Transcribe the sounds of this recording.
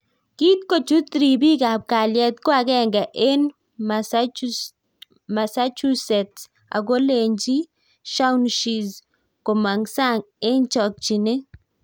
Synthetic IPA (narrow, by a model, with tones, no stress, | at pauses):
ki˦t̪̚ko˨t͡ʃu˦t̪ɾi˨bi˦kaː˨p̚ka˨ljɛ˨t̪kwa˨ɡɛ˦ŋɡa˨ʔe˦n | ma˨sa˦t͡ʃu˦sɛ˨t | a̰˨ɡo˦le˨ɲd͡ʒi˦ | ʃa˦wnʃi˨z | ko˨ma˨ŋsa˦ŋ | e˦nt͡ʃɔ˨k̚t͡ʃi˨ne˦